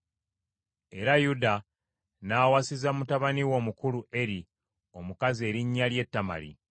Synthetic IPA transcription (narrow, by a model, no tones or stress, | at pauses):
e̞ɾajuda | naːwasizamutaβaniwo̞ːmukuluʔe̞ɾi | o̞mukaze̞ːɾiɲːalje̞tːama̰lḭ